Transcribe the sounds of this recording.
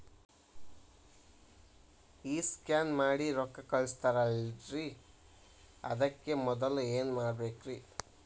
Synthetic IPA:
iːskjaːnmaːɽiɾɔkːɐkɐɭst̪ɐɾɐlɾi | ɐ̰d̪ɐkːe̞mɔd̪ɐlueːnmaːɽbeːkɾi

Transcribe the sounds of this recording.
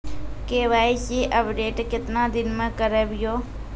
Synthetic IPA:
keʋajʃiʔəpɖeʈket̪nãd̪inmãkəɾəʋjo

